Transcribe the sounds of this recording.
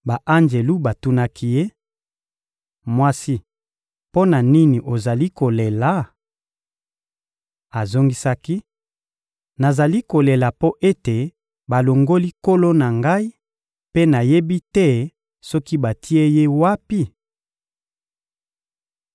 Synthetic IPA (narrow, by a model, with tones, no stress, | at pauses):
ba˨ʔa˦nd͡ʒe˨lu˦ba˨tu˦na˦kʰi˦je˦ | mwa˦si˦ | po˦na˨ni˦ni˨ʔo˨za˨li˦ko˨le˨la˨˦ | a˨zo˦ŋɡi˦sa˦ki˦ | na˨za˨li˦ko˨le˨la˨po˦ʔe˦te˨ | ba˨lo˨ŋɡo˦li˦ko˦lo˦na˨ŋɡa˦i˦ | pe˦na˨je˦bi˦tɛ˦ | sɔ˦ki˦ba˨ti˦e˦je˦wa˦pi˦